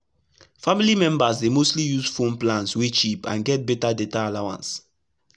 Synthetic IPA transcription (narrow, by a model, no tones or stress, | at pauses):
familimɛ̃mbasdemostlijuzfõmplãnswet͡ʃipã̰nɡɛt̚bɛtadetaːlawã̰ns